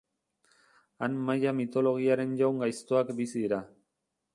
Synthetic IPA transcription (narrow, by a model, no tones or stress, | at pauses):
anmajamit̪o̞lo̞ɣ̞iaɾe̞nʝawŋɡajst̪oakbisiðiɾa